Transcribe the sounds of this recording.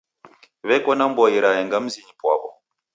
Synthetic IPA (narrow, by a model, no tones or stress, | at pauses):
βɛkɔnambɔiɾajɛŋɡam̩ziɲipwa̰βɔ